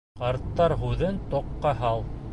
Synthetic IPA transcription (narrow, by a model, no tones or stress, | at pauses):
qɑɾt̪ːɑɾɦʉðɘnt̪oqːɑɦɑlˠ